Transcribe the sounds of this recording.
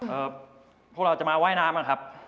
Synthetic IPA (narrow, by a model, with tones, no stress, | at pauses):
ʔɤː˨˩ | pʰɔ˦˥kɾa˧wt͡ɕa˨˩maː˧waː˥˩jnaː˧˥mʔa˧˩kʰa˦˥p̚